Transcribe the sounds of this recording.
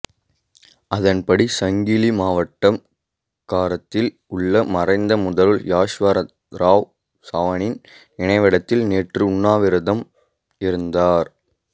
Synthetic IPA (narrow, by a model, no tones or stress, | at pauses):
ʔɐðɐnpɐɽisɐŋɡilimaːʋɐʈːɐm | kaːɾɐt̪ːɪl | ʊɭːɐmɐrɐɪnd̪ɐmʊðɐlɯɭjaːʂʋɐɾɐ | ɾaːʋ | saːʋɐnɪn | ɪɳɐɪʋɪɽɐt̪ːɪlneːʈrɯʊɳːaːʋɪɾɯðɐm | ɪɾɯnd̪aːɾ